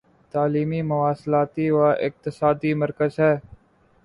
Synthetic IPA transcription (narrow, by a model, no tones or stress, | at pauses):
t̪aːliːmiːmʊʋaːslaːt̪iːʋaːʔɪk̚t̪ɪsaːd̪iːməɾkəzɦɛː